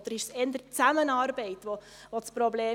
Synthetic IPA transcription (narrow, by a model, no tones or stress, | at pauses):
d̥̪əɾɪʃsɛnd̪ət͡sæmənɑːrbɛɪtʋo | ʋot͡spɾɔbleː